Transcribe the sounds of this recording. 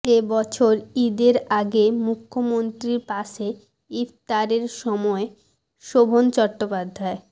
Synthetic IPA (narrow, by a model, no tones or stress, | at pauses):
ebɔt͡ɕʰoɾid̪eɾaɡemukʰːomont̪ɾiɾpaʃe | ipt̪aɾeɾʃɔmɔe | ʃobʱont͡ɕɔʈːopad̪ʱːae